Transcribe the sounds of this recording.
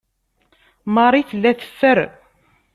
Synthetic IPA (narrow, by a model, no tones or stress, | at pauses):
mɑɾˤiθəlːæθə̥fːəɾ